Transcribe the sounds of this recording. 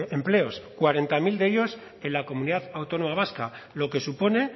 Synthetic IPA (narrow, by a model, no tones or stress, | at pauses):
emple̞o̞skwaɾe̞nt̪amild̪e̞ʎo̞s | e̞nlako̞muniðaθawt̪o̞no̞maβ̞askalo̞ke̞supo̞ne̞